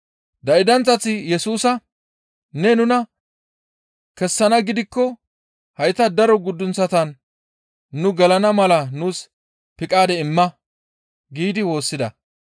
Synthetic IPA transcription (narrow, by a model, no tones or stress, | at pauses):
d̪ɐɪd̪ɐnt͡sːɐt͡sːɪjɛsuːsɐ | nɛnʊnɐ | kɛsːɐnɐɡɪd̪ɪkːɔ | hɐjt̪ɐd̪ɐɾɔɡʊd̪ːʊnt͡sːɐt̪ɐnː | ʊɡɐlɐnɐmɐlɐnuːs | pɪkʼaːd̪ɛɪmːɐ | ɡiːd̪ɪwo̞ːsːɪd̪ɐ